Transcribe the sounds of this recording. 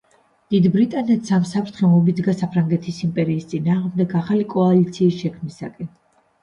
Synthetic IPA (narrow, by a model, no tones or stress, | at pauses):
d̪̥id̪bɾit̪ʼanɛt̪samsapʰɾt̪ʰχɛmɔbid̪zɡasapʰɾaŋɡɛt̪ʰisimpʼɛɾiːst̪sʼinaːʁmd̪ɛɡaχalikʼɔalit̪sʰiːsʃɛkʰmisakʼɛn